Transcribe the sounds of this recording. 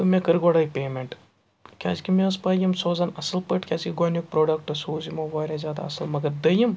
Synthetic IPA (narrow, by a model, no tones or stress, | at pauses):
t̪umekɐɾɡoɽɐːipʲeːmeɳʈ | kʲʰa̰ːd͡ʒkimeɐspɐːjɐmsoːzɐnɐsɐlpəʈkʲaːzkiɡonjuk̚pɾoːɖɐk̚ʈosuːzimoʋɐːɾʲazʲjaːd̪a̰ɐsɐlmɐɡɐɾd̪ɐjim